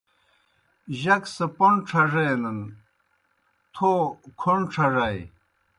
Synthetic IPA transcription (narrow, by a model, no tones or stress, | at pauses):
ʑɐksɐpɐɳʈ͡ʂʰɐʐenɐn | t̪ʰokʰoɳʈ͡ʂʰɐʐɐj